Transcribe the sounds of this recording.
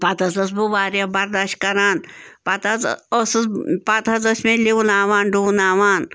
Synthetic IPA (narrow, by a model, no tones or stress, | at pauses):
pɐt̪ɐzɐs̬buʋaːɾjɐbɐɾd̪aʃkɐɾaːnpɐt̪ɐospɐt̪ʰɐzɐsmeliunaːʋaːnɖunaːʋaːn